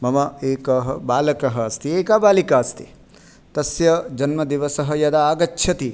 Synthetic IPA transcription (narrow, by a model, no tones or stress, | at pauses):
mɐmɐeːkɐɦɐbaːlɐkɐɦɐɐst̪ieːkaːbaːlikaːst̪i | t̪ɐsjɐd͡ʒɐnmɐd̪iʋɐsɐɦɐ̆jɐd̪ɐaːɡɐt͡ʃːʃʰjɐt̪i